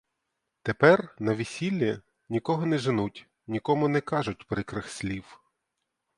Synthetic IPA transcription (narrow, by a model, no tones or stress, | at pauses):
t̪epɛrnɐʋʲisʲilʲːi | nʲikɔɦɔnɛʒɪnutʲ | nʲikɔmʊnɛkɑʒʊt̚ʲpɾɪkɾɪxsʲlʲiw